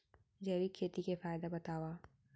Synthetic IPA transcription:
d͡ʒeːʋikʰːeːt̪ikefaːjd̪abɐt̪aːwaː

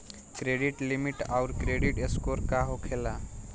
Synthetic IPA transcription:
kɾeɖiʈlimiʈaʊɾkɾeɖiʈeskoɾkaɦokʰela

